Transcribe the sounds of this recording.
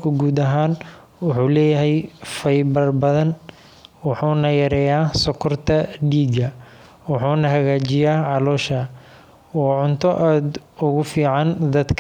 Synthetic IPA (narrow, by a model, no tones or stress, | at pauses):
kʰʊɡuːd̪ɐɦaːn | wʊħuːlɛːjɐɦɛjfɐjbɐrbɐðɐn | wɑħuːnɐjɐɾɛːjaːsɔkʰɔrt̪ʰɐɖiːɡɐ | wɑħuːnɐɦɐɣaːt͡ʃɪjaːʕɑlɔːʃɐ | ɔːʕʊnt̪ʰɔʔaːd̪ʊɣʊfiːʕɑnd̪ɐd̪kʰ